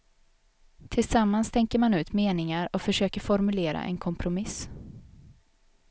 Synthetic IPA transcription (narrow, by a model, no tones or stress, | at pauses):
t̪ʰɪlsamːanst̪ʰɛŋkəɾmanʉ̟ːt̪meːnɪŋaɾɔkfœʂøːkəɾfɔɾmɵleːɾa̰ʔɛ̰nkʰɔmpʰɾʊmɪs